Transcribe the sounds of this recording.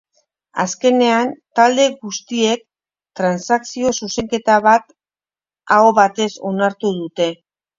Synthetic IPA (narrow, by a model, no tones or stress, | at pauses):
a̰ske̞ne̞ant̪ald̪e̞ɣust̪ie̞k̚ | t̪ɾansaksio̞suse̞ŋke̞t̪aβ̞at̪ | ao̞βat̪e̞so̞naɾt̪uðut̪e̞